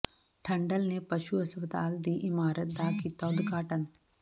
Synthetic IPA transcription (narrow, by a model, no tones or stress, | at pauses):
ʈʰɐ̃ɳɖəlnepɐʃuɐspət̪aːld̪iːʔɪmaːɾət̪̚d̪aːkit̪ɔːd̪ɡaːʈən